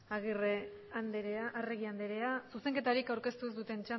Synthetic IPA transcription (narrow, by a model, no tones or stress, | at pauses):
aɣire | and̪eeaʔːreɣiand̪eɾe̞asuse̞ŋke̞t̪aɾikawɾke̞st̪uzd̪ut̪e̞nt͡ʃa